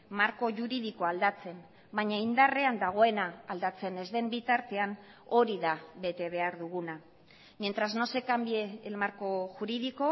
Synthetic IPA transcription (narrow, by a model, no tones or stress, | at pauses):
maɾko̞ʝuɾiðiko̞ald̪at͡se̞m | baɲaind̪are̞and̪aɣ̞o̞e̞naːld̪at͡se̞ne̞zðe̞mbit̪aɾt̪e̞ano̞ɾiðaβe̞t̪e̞β̞e̞aɾðuɣuna | mient̪ɾazno̞se̞kambieelmaɾko̞ʝuɾiðiko̞